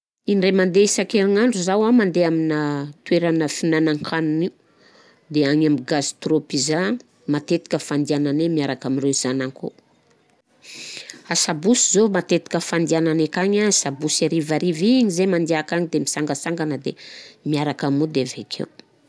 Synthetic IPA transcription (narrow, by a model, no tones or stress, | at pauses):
inremand̪eisakeɾiŋaɳɖ͡ʐuzawamand̪eaminət̪weɾanəfinanaŋkʰanuniu | d̪eaɲamiɡazi̥t̪ropiza | mat̪et̪i̥kʲəfand̪iananemiaɾakamireiz̥anaŋko̰ | asabusizomat̪et̪i̥kəfand̪iananekaɲasabusaɾivaɾiviɲizemand̪eakaɲid̪emisaŋɡəsaŋɡanəd̪ḛmiaɾakamud̪evekʰḛw